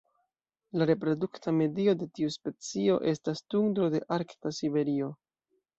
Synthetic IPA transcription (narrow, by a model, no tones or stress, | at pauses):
laɾe̞pɾo̞duktame̞dio̞de̞tiuspe̞t͡sio̞ʔe̞stastuŋdɾo̞de̞ʔaɾktasibe̞ɾio̞